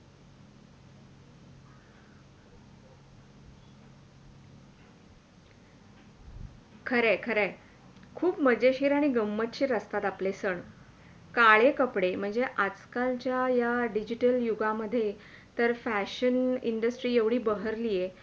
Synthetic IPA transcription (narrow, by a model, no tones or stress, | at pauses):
kʰəɾekʰəɾɛ | kʰuːpməd͡ʑeɕiːɾaɽ̃iɡəmːət̪t͡ɕiːɾəst̪at̪aplesəɳ | kaɭekəpɽem̤əɳd͡zeʔat͡skalt͡ɕjajaɖid͡ʑiʈəljuɡaməd̪ʱːje | t̪əɾfæɕənḭɳɖəsʈɾiːeʋɽ̤iːbəɦəɾlije